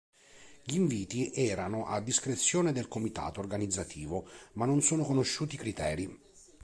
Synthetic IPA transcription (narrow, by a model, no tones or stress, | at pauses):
ʎiːɱviːt̪iʔɛːɾanoʔad̪ːiskɾet̪sːjoːned̪elkomit̪a̰ːt̪oːrɡanid̪zːat̪ʰiːvomanːonsoːnokonoʃːuːt̪ikɾit̪ɛːɾi